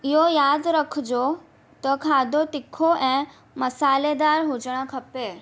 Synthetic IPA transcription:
ɪɦojaːd̪ɾɐkʰd͡ʑoː | t̪ɐkʰaːd̪ʱot̪ɪkʰoʔɛ̃ː | mɐsaːled̪aːɾɦʊd͡ʑəɽ̃ə̆kʰɐpeː

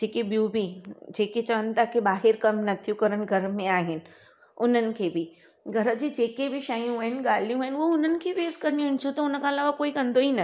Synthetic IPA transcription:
d͡ʑeːkeɓijũbʱid͡ʑeːket͡ɕɐʋənɪ̆t̪ʰakebaːɦɪɾkɐmnɐt̪ʰijũkɐɾəñ̆ɡʱɐɾəmẽaːɦɪnɪ̆ | ʊn̤ənɪ̆kʰeːbɪ | ɡʱɐɾə̆d͡ʑed͡ʑeːkebɪʃaːjũaːɦɪnɪ̆ɠaːl̤ijũaːɦɪnɪoʊn̤ənɪ̆kʰeʋeːzkɐɾnĩɦɪnɪt͡ɕʰũt̪ɐʊnəkʰãɐlaːʋakoːikɐ̃nd̪oiːnɐ

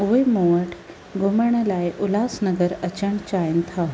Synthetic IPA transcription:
uʋejmoʋəʈʰ | ɡoməɳəlajʔulasnəɡəɾət͡ɕəɳt͡ɕajnt̪ʰa

